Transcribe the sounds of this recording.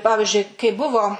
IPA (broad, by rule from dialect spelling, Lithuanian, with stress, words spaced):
ˈpɑːʋʲɪʒʲʊɪ kɐɪ ˈbʊʋoː